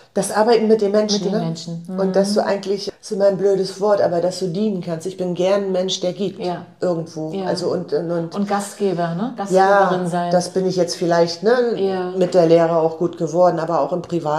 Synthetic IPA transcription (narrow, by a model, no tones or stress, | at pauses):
d̥asʔaɐbaɪtn̩mɪt̚d̥eːmɛnʃn̩nənn̩ʊnt̚d̥asd̥uːʔaɪɡŋ̩tʰlɪçsɪmanbløːɾəsv̥ɔɐtʔa̰ːbɐdasd̥uːdiːnənkʰanstɪçb̥ɪnɡɛɐnnmɛnʃd̥eːɐɡiːp̚tː | ʔɪɐɡŋ̩tv̥oːʔalzoʊntʊntnɡ̥astɡ̥eːbɐnəɡ̥asjaːɪnzaɪnd̥asb̥ɪnɪçjɛt͡stfɪlaɪçtnəmɪt̚d̥eːɐleːʁəaʊxɡ̥uːtɡ̥əvɔɐdn̩ʔaːbɐaʊxɪmpʁ̥ivaːt